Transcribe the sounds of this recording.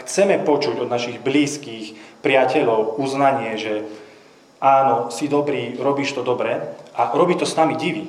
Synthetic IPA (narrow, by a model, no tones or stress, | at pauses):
xt͡sɛmɛpɔt͡ʃuɟɔd̪naʃiɣbliːskiːxpɾɪacɛʎɔʊuznaɲɪɛʒɛ | aːnɔsid̪ɔbɾiːɾɔbiːʃt̪ɔd̪ɔbɾɛʔaɾɔbiːt̪ɔsnamiɟiʋi